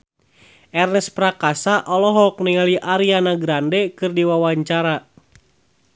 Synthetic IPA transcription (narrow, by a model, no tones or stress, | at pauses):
ɛrnɛspɾakasaʔɔlɔɦɔk̚niŋaliʔaɾianaɡɾandɛkɨrdiwawaɲt͡ʃaɾa